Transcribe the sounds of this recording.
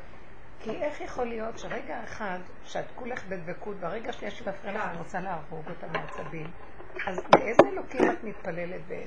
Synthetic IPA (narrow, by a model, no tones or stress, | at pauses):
kʰiʔe̞χjeχo̞lijo̞tʃeʁe̞ɡaeχad | ʃeatkuleχbedvekutbaʁe̞ɡaʃnijaʃimafʁenanʁot͡saleaʁoɡotameat͡sabim | azmeʔezeelo̞kimatmitpale̞letbe